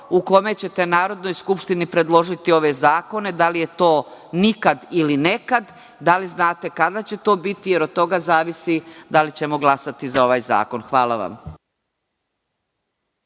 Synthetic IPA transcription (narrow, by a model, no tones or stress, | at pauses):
uko̞me̞t͡ɕe̞t̪e̞naːɾo̞d̪no̞jskupʃt̪inipɾe̞d̪lˠo̞ʒit̪io̞ʋe̞zaːko̞ne̞d̪alije̞t̪o̞ːnikad̪iline̞kad̪ | d̪aliznaːt̪e̞kad̪at͡ɕe̞t̪o̞ːbit̪ije̞ɾod̪̚t̪o̞ɡazaːʋisid̪alit͡ɕe̞mo̞ɡlˠasat̪izao̞ʋaːjza̰ːko̞nxʋaːlˠaʋa̰m